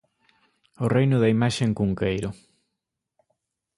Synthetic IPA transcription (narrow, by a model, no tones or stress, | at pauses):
ʊrejnʊðɐimaʃeŋkuŋkejɾʊ